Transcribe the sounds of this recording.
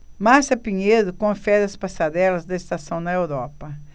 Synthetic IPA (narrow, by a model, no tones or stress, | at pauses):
masɐpiɲed̪ʊkõɐfɛɾɐspasad̪ɛlɐzd̪ɐest̪asɐ̃w̃nɐewɾɔpɐ